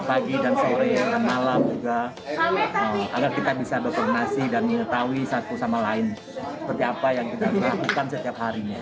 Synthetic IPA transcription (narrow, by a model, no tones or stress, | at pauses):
paɡidansoɾemalamd͡ʒuɡa | əa̰ɡarkit̪abisabərkɔŋənasidanməŋət̪awisat̪usamalaɪn | sə̥pərt̪iapajaŋkit̪abərlakukansət̪iap̚haɾiɲa